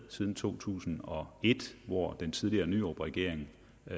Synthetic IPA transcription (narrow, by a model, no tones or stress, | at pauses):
sið̞ˠn̩t͡sʰo̝̰ːt͡sʰṵːsn̩ɒ̽e̝d̥ʋɒd̥ent͡sʰið̞ˠliɐːnyɒ̰ːb̥ʁɛɡ̥e̝ɐ̰eŋ